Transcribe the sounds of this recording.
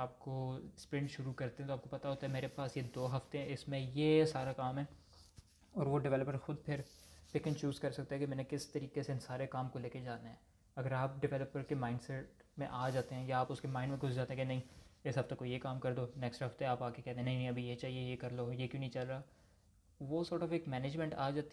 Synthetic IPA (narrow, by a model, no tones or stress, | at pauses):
aːp̚kospɾɪ̃ɳɖʃʊɾukɐɾt̪ẽɦɛ̃t̪oaːp̚kopɐt̪aɦoːt̪aɦɛmeːɾepaːsjed̪oːɦɐft̪eɦɛ̃ɪsmẽjesaːɾakaːmɦɛː | ɔːɾʋoɖɪʋɛːləpəɾxʊd̪̚pʰɪɾpɪkɪ̃nt͡ʃuːzkɐɾsɐkt̪aɦɛkimɛ̃ːnekɪst̪ɐɾiːkeseɪnsaːɾekaːmkoleːked͡ʒaːnaɦɛ̃ː | ɐɡəɾaːp̚ɖɪʋɛːləpəɾkemaːɪnɖsɛʈ̚mḛ̃ʔaːd͡ʒaːt̪eɦɛ̃ːjaaːpʊskemaːɪnmẽɡʱʊzd͡ʒaːt̪eɦɛ̃kenɐɦĩːɪsɦɐft̪ekːojekaːmkɐɾd̪oːnɛːksʈɦɐft̪eaːpaːkekɛːt̪ẽɦẽːnɐɦĩnɦĩɐbʱijet͡ʃaːɦiejekɐɾloːjekjõːnɐɦĩt͡ʃɐlɾaaː | ʋosɔːɾʈɔːfeːkmɛːneːd͡ʒmɛ̃ɳʈa̰ːd͡ʒaːt̪i